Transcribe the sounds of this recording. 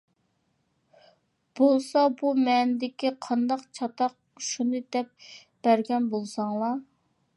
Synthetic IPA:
b̥olˠsɑbumɛnɪd̪ɪkʲiqʰɑnd̪ɑqt͡ʃʰɑt̪ɑq̚ | ʃunɨd̪ɛp̚ | b̥æɾɡʲɛnbolˠsɑŋlˠɑ

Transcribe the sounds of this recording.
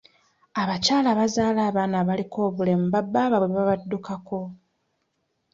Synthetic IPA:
aβacaːlaβazaːlaːβaːnaβaliko̞ːβule̞muβabːaːβaβweβaβadːukako̞

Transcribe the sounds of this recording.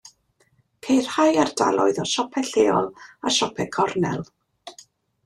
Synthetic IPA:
kʰejr̥hajarda̰lˠɔɨðɔʃɔpʰɛɬeːɔlˠa̰ʃɔpʰɛkʰɔrnɛlˠ

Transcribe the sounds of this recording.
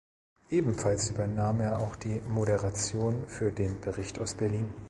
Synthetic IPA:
ʔeːbm̩falsʔyːbɐnaːmeːɐaʊxd̥iːmoɾəʁat͡sjoːnfyːɐdeːnbəʁɪçtaʊsb̥ɛɐliːn

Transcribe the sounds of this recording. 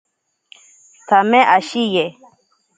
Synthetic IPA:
tamɛ̃ʔaʃijɛ

